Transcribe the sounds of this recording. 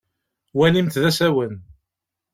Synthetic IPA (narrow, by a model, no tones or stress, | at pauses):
wælimt̪ðæsæwən